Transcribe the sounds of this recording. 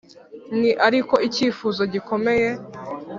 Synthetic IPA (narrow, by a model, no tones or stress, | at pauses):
niʔaɾiko̞iciːfuːzo̞ɟiko̞me̞je̞